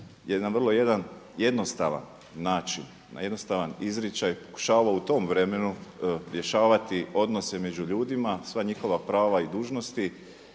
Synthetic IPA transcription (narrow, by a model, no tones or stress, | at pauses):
jed̪anʋr̩lˠo̞je̞d̪anje̞d̪no̞st̪a̰ʋa̰nː | aːt͡ʃinːa̰je̞d̪no̞st̪aʋanizɾit͡ʃajpo̥ku̥ʃaːʋaut̪o̞mʋɾe̞me̞nuɾje̞ʃaːʋat̪io̞d̪no̞se̞me̞d͡ʒuʎuːd̪imasʋaɲixo̞ʋapɾaːʋaid̪uːʒno̞st̪i